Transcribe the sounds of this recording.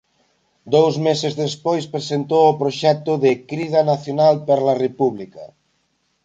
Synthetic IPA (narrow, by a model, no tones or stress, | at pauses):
d̪owzmesezðespojspɾesent̪owʊpɾoʃɛk̚t̪ʊðɪkɾiðɐnaθjonalpaɾalarepuβlika